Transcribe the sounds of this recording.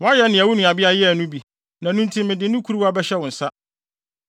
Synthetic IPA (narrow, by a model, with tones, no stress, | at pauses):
wɔ̃˨˦a˦jɛ˦nɪ̃˨æ˨wʊ˦nũ˨a˨bɪ˦a˦jɛ˦˨nʊ̃˦bi˨ | nã˨nũ˦n̩˦tʰi˦mɪ̃˨dɪ̃˨˦nʊ̃˦kʰu˦ɾu˦wa˦bɛ˦ɕɛ˦wʊ̃˨n̩˨sa˦